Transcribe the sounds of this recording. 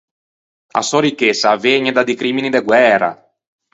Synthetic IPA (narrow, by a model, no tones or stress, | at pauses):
a̰sɔɾikːesaveɲed̪ad̪ikɾiminid̪eɡwɛːɾa̰